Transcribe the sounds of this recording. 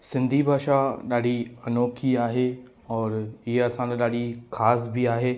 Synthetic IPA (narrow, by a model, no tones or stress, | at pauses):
sɪ̃nd̪ʱibʱaːʃaɗaːɽ̤iɐnoːkʰiaːɦe | ɔːɾɪɦeɐsãlaɗaːɽ̤ikʰaːsbʱiaːɦeː